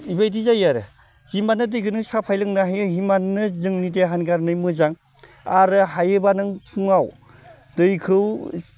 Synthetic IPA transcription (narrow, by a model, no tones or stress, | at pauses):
ibajdizajaɾɯ | zimanɯdɯjɡɯnɯsapʰajlɯŋnaɦajɯɦimannɯzɯŋnideɦanɡaɾnɯjmɯzaŋ | aɾɯɦajɯbanɯŋsʰuŋaw | dɯjkʰɯw